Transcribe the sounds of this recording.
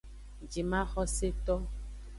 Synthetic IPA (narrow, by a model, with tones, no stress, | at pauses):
d͡ʒi˨mã˦xɔ˦se˦t̪ɔ˦